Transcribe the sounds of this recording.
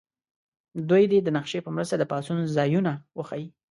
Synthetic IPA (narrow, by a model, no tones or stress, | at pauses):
d̪ujd̪ed̪ənaqʃepəmɾəst̪ad̪əpɑsunzɑjunawəxawi